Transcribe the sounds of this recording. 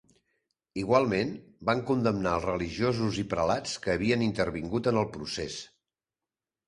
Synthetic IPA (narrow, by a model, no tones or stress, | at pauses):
iɣwalˠmenbaŋkund̪əmnaəlˠzrəliʒiozuzipɾəlat͡skəːβ̞iənint̪əɾβiŋɡut̪ənəlˠpɾuses